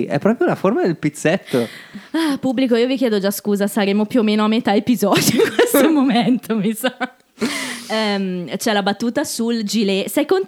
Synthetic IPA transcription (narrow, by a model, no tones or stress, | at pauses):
ʔɛ̰pːɾɔːpɾjolaformad̪elpit̪sːet̪ːoapubːlikoiːovikjɛːd̪od͡ʒaskuːzasaɾeːmopjuomeːnoamːet̪aepizɔd̪joiŋkwest̪omoment̪ʰomisa | ɛmt͡ʃɛlabat̪ːuːt̪asuld͡ʒilesɛjkon